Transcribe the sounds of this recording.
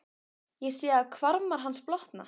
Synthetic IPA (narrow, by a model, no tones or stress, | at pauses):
jɛsjɛːakʰvaɾmaɾ̥ɦansplɔht̪na̰